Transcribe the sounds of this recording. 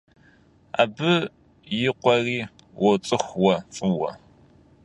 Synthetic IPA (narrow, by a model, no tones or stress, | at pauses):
a̰ːbɨ | jɪqʷɔriː | wʔɔt͡sʼɨxʷwɐt͡sʼɨwɐ̰